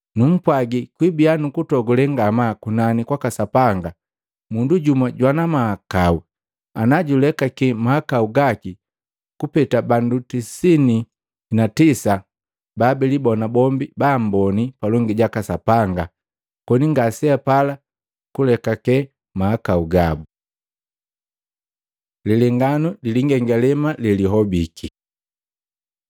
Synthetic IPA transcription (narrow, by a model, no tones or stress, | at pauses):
num̩pwaɡikwibianukutɔɡulɛŋɡamakunanikwakasapaŋɡa | munduɟumaɟwanamahakau | anaɟulɛkakɛmahakauɡaki | kupɛtabandutisini | natisa | babɛlibɔnabɔmbibam̩bɔnipalɔŋɡiɟakasapaŋɡa | kɔniŋɡasiapala | kulɛkakɛ | mahakauɡabu | liliŋɡanuliliŋɡɛŋɡalɛmalɛliɦɔbikʰi